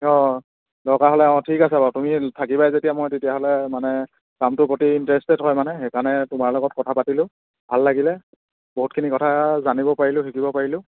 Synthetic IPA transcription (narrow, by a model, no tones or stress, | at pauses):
ɔ | dɔkaɦɔlɛɔ̃tʰikasabatumitʰakibajzetijamɔjtetijaɦɔlɛmanɛ | kamtʊpɹotiːntɹɛstɛtɦɔjmanɛxekanɛtʊmaɹlɔɡɔt̚kɔtʰapatilʊ̃ | bʱalːaɡilɛ | boɦut̚kʰinikɔtʰazanibɔpaɹilʊ̃tʰikibɔpaɹilʊ̃